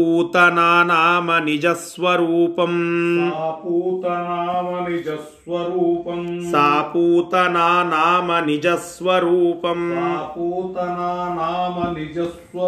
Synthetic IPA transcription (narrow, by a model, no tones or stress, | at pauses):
uːt̪ɐnaːnaːmɐnid͡ʒɐsʋɐɾuːpɐmː | puːt̪ɐnaːmɐnid͡ʒɐs | ʋɐɾuːpɐmsaːpuːt̪ɐnaːnaːmɐnid͡ʒɐsʋɐɾuːpɐmapuːt̪ɐnaːnaːmɐnid͡ʒɐsʋɐ